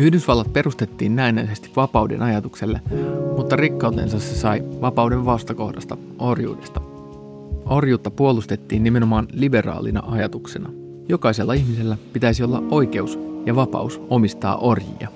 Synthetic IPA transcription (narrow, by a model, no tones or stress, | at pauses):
yhdysʋɑlːɑt̪̚pe̞rust̪et̪ːiːnːæinæjse̞st̪iʋʋɑpɑwdḛnɑjɑt̪ukse̞lːemut̪ːɑrikːɑwt̪e̞̰nsɑssesɑjʋɑpɑwde̞ʋʋɑst̪ɑko̞hdɑst̪ɑ | orjṵːdest̪ɑ̥ | ʔo̞rjuːt̪ːɑpuo̞lust̪e̞t̪ːiːnːime̞no̞mɑːnlibe̞rɑ̰ːlḭnɑ̰ʔɑjɑt̪ukse̞nɑ | jo̞kɑise̞lːɑiçmise̞lːæpit̪æisio̞lːɑ̰ʔʔo̞jk̟e̞usjɑʋɑpɑ̰uso̞mist̪ɑ̰ːʔo̞rjḭjɑ̰